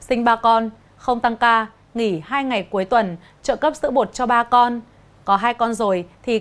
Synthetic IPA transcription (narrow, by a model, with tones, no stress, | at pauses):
sï˧ŋ̟ɓaː˧kɔ˧n | xə˧wŋ͡mt̪a˧ŋkaː˧ | ŋi˧˩haː˧jŋa˨˩jku˨˦əjt̪wə˨˩n | t͡ɕə̰ː˧˨kə˦˥p̚sɨ̰˧˥ɓo˨˩t̚t͡ɕɔ˧ɓaː˧kɔ˧n | kɔ˨˦ɦaː˧jkɔ˧nzo˨˩jt̪ʰi˨˩